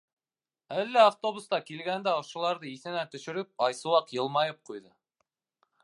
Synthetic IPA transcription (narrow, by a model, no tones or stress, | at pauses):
ælːæaft̪o̞βust̪ɑkilɡænd̪æoʃɤ̆lˠɑɾðɤiθɘ̆nænt̪ɵ̆ʃɘ̆ɾɘp̚ɑjsɤ̆wɑqjɤ̆lˠmɑjɤp̚qujðɤ